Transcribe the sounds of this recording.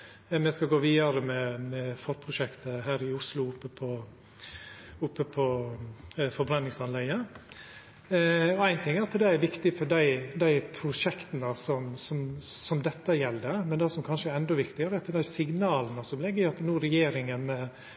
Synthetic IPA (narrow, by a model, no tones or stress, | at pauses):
mɛskɑɡoːʋiːɑɾəmɛmɛfɔɾpʰɾʊʂɛkt̪əɦæːɾɪʊslʊʊpːəpʰɔ | ʊpːəpʰɔ | fɔɾbɾɑnːɪŋsɑnlɛɪɡə | ɔæɪnt̪ʰɪŋːæɑt̪ːəd̪ɛæɾʋɪkt̪ɪfɔɖæɪd̪æɪpʰɾʊʂɛkt̪ənəsɔmsɔmsɔmd̪ɛt̪ːəjɛlːd̪əmɛnd̪ɛsɔmkʰɑnʃəæɾɛnd̪ɔʋɪkt̪ɪɡəɾəɛɑt̪ːəd̪æɪsɪɡnɑːlənəsɔmlɛɡːəɾɪɑt̪ːnuːɾɛjeːɾɪŋənmɛ